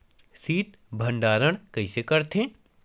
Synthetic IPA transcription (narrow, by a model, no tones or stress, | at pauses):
siːt̪ | bʱɐ̃ɳɖaːɾəɽ̃kɐisekɐɾt̪ẽː